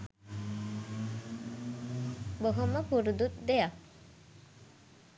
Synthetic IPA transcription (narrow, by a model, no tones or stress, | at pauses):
boɦoməpuɾud̪ut̪̚d̪eja